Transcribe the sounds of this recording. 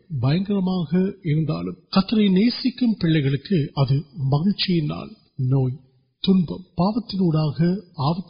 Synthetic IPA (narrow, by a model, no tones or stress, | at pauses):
bɐjɐŋɡɐɾɐmaːɣɐɪɾɯnd̪a̰ːlɯmkɐt̪ːɐɾɐɪneːsɪkːɯmpɪɭːɐɪɣɐɭɯkːɯɐðɯmɐɣɐlt͡ʃɪjɪna̰ːl | noːj | t̪ʊnbɐ̰mpaːʋɐt̪ːɪnuːɽaːɣɐaːʋɐt̪ː